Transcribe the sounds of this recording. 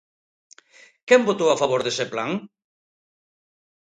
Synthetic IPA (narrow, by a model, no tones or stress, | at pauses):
kɛmbot̪owafaβoɾðeseplaŋ